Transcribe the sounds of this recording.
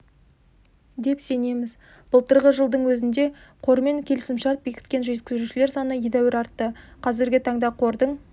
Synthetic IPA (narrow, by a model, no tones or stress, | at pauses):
d̪e̞pse̞ne̞mɪz | b̥ʊlˠt̪əɾʁəʒəlˠd̪əɴwɵzɪnd̪e̞qʰo̞ɾme̞ŋkʲʰe̞lɪsɪmʃɑɾt̪̚be̞kʲɪ̥t̪kʲe̞nʒe̞t̪kʲɪzɾuʃɪleɾsɑnəjed̪æwɪɾɑɾt̪ːəqʰɑzɪɾɡʲɪt̪ʰɑɴd̪ɑqʰo̞ɾd̪əɴ